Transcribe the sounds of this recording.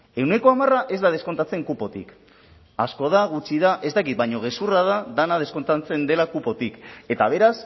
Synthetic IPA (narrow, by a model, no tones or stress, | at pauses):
e̞wne̞ko̞amaraʔe̞zd̪að̞esko̞nt̪at͡se̞ŋkupo̞t̪ḭk | asko̞ðaɣut͡ʃiðaʔe̞zd̪akit̪̚bajɲo̞ɣ̞e̞surað̞aðanað̞e̞sko̞nt̪at͡se̞nd̪e̞lakupo̞t̪ike̞t̪aβ̞e̞ɾas